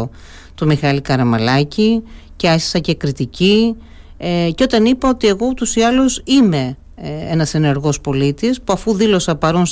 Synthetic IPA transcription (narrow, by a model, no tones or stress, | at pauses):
o | t̪umixɐlikɐɾɐmɐlɐciceɐçi̥sɐce̞kɾit̪ici | ceo̞t̪ɐnipɐo̞t̪ie̞ɣo̞ut̪usiɐlusime̞ | enɐse̞ne̞ɾɣo̞spo̞lit̪ispuɐfuðilo̞sɐpɐɾuns